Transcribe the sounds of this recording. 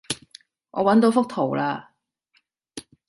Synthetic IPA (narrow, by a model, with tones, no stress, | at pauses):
ŋɔ̰ː˨˧wɐ˨˥nt̪o˨˥wfʊ˥k̚t̪ʰo˨˩wlaː˧